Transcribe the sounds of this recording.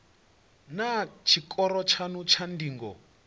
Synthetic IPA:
nat͡ʃʰikʼɔɾɔt͡ʃʰanut͡ʃʰandiːŋɡɔ̰

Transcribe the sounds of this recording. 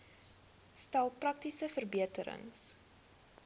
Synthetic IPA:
stælˠprɐk̚tisəfərbiətəɾə̰ŋs

